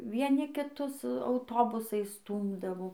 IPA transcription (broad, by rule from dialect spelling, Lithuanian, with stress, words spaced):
ʋʲiɛˈnʲɪ kʲɪˈtʊs ɐʊˈtoːbʊsɐɪs ˈstuːmdɐʋoː